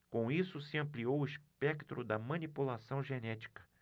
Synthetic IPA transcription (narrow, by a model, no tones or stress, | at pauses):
kõisʊsɪɐ̃mpliowʊiʃpɛkt̪ɾʊd̪ɐmɐ̃nipulasɐ̃w̃ʒenɛt͡ʃi̥kɐ̥